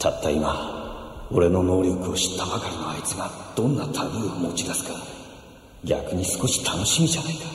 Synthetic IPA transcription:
t̪ʰat̪ːaima | o̞̰ɾe̞no̞no̞ːɾʲo̞kɯ̟o̞ɕi̥t̪ːabakaɾʲino̞ait͡sɨɡad̪̥õ̞nːat̪ʰabɯ̟ːomo̞t͡ɕid̪asɨ̥kad̪o | ɡʲa̰kɯ̟ɲ̟isɨ̥ko̞ɕi̥t̪ʰano̞ɕimʲiʑanaikḁ

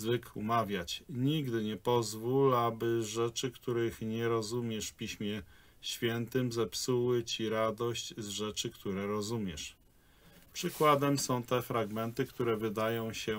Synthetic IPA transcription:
zvɘkumavʲjat͡ɕɲiɡd̪ɘɲɛpɔzvulabɘʐɛt͡ʂɘkt̪uɾɘxɲɛɾɔzumʲjɛʂfpʲiɕmʲjɛ | ɕfʲjɛnt̪ɘmzɛpsuwɘt͡ɕiɾad̪ɔɕt͡ɕzʐɛt͡ʂɘkt̪uɾɛɾɔzumʲjɛʂ | pʂɘkwad̪ɛmsɔ̃w̃t̪ɛfɾaɡmɛnt̪ɘkt̪uɾɛvɘd̪ajɔ̃w̃ɕɛ

